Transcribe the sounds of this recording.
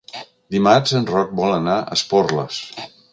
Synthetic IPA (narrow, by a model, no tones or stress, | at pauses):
d̪imad͡ʒənrɔk̚bɔlənaʔə̰spɔrlə̰s